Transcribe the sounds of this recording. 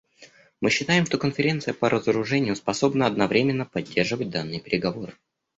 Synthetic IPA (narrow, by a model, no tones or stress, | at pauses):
mɨɕːɪt̪ajɪmʂt̪o̞kənfʲɪɾʲentsɨjəpəɾʔəzəɾʊʐɛnʲɪjʊspɐso̞bnəɐd̪nɐvɾʲemʲɪnːəpɐdʲːe̞rʐɨvət̚ʲd̪anːɨjəpʲɪɾʲɪɡɐvo̞ɾɨ